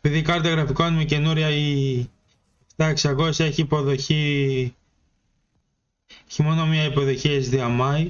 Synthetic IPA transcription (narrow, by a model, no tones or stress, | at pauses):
epiðikɐɾt̪iɐɣɾɐfikoɐnimece̞nuɾiɐi | t̪ɐeksɐɣo̞sɐeçiːpo̞ðo̞çi | eçimo̞no̞miɐipo̞ðo̞çiezðiɐmɐj